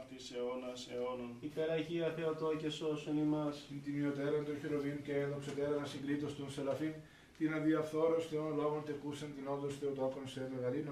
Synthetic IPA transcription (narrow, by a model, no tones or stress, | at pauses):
t̪iseonɐseononikɐɾɐʝiɐθe̞ot̪ocesosunimɐsint̪iniot̪eɾɐnt̪onçiɾovinuceenðokset̪eɾɐnɐsiŋɡɾit̪ost̪unselɐfin | t̪inɐðiɐfθoɾosθeonolo̞ɣont̪ekusɐnt̪inond̪osθeot̪okonseveɣɐɾin